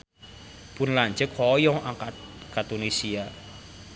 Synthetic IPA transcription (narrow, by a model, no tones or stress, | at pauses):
pʊnlaɲd͡ʒəkhɔjɔŋakakat̪unisia